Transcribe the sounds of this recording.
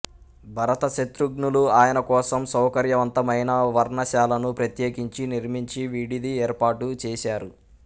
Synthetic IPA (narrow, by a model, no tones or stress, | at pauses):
bʱɐɾɐt̪ɐʃet̪ɾuɡnuluaːjɐnɐkɔːsɐmsɐwkɐɾjɐʋɐnt̪ɐmɐjnɐʋɐɾnɐʃaːlɐnupɾɐt̪jeːkiɲt͡ʃiniɾmiɲt͡ʃiʋiɽid̪iɛːɾpaːʈut͡ʃɛːʃaːɾu